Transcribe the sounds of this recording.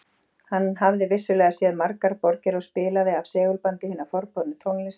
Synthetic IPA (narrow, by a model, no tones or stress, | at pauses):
hanːhavðɪvɪsːʏlɛːɣasjɛðmaɾkaɾpɔɾcɪɾɔɣspɪːlaðɪavsɛːɣʏlpant̪ɪhɪnːafɔɾpɔnʏt̪ʰowŋlɪs